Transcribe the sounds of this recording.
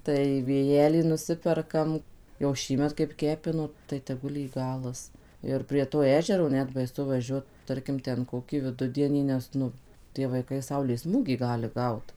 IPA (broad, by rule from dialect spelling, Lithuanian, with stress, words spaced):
ˈtɐɪ ʋʲeːˈjæːlʲiː nʊˈsʲɪpʲɛrkɐm jɛʊ ˈʃʲiːmʲɛt kɐɪp ˈkʲæːpʲɪnoː tɐɪ tʲɛˈɡʊlˠ jiː ˈɡɑːlˠɐs ˈɪr pʲrʲiɛ toː ˈæːʒʲɛroː ˈnʲɛt bɐɪˈsʊ ʋɐˈʒʲuɔt ˈtɐrʲkʲɪm ˈtʲɛn ˈkoːkʲiː ʋʲɪˈdʊdʲiɛnʲiː ˈnʲɛs nʊ tʲiɛ ʋɐɪˈkɐɪ ˈsɐʊlʲeːs ˈsmuːɡʲiː ˈɡɑːlʲɪ ˈɡɐʊt